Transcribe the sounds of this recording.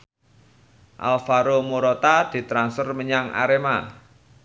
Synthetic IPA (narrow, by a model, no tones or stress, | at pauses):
ʔa̰lfaɾomoɾot̪ad̪̥i̤t̪ɾansərməɲaŋa̰ɾema